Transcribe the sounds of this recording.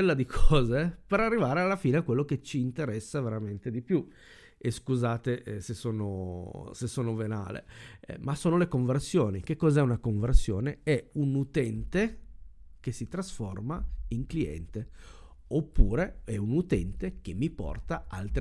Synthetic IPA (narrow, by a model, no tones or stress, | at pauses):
elːad̪ikʰɔːzepeɾarːivaːɾealːafiːneakːwelːoket͡ʃːiːnt̪eɾɛsːaveɾament̪ed̪ipju | eskuzaːt̪esesːoːnosesːoːnovena̰ːlḛmasoːnolekoɱversjoːnik̟ekːɔːzɛunakoɱversjoːneɛunut̪ɛnt̪e | k̟esit̪ɾasformaiŋkliɛ̰nt̪e | opːuːɾeɛunut̪ɛnt̪ek̟emːipɔ̰rt̪aa̰lt̪ɾ